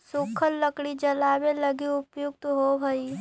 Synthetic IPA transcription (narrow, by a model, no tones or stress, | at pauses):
sukʰəlːəkɽid͡ʒəlaːʋeləɡiʊpjʊk̚t̪ɦobʱəi